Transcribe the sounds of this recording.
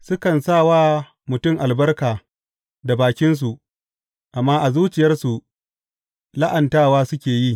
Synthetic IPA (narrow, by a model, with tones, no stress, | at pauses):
sʊ˦kɐ˨nsaː˦˨waː˦ | mʊ˨tʊ˦˨ŋʔa˨lbɐ˦rkaː˨ | da˨baː˨kʲɪ˦ns̬u˨ʔ | ʔa˨mːaː˦ʔa˨zuː˦t͡ʃɪ˨jɐ˦rsu˨ | la˦ʔɐ˨ntaː˦waː˦sʊ˦kʲeː˨ji˦˨